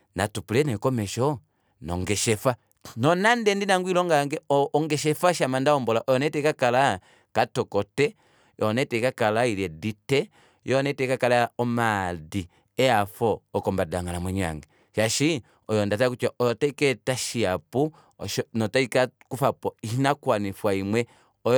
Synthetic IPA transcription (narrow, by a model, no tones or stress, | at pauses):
na̰tupulɛnɛikɔmɛʃɔ | nɔ̰ŋɡɛʃɛfa | nɔnandɛndinaŋɡuilɔŋɡaŋɡɛɔːŋɡɛʃ̬ɛfaʃamandaɔmbɔlaʔɔjɔnɛtɛikakala | katɔkɔtɛ | ɔnɛtɛkakalailɛditɛ | jɔɔnɛtɛkakalaɔmadi | ɛafɔːkɔmbadaŋɡalamwɛɲa̰ŋɡɛ | ʃaʃi | ɔjɔndatakut͡ʃaʔɔjɔtaikɛtaʃiapu | ɔʃɔnɔtaikakufapɔiʃinakwanifwaimwɛ | ɔj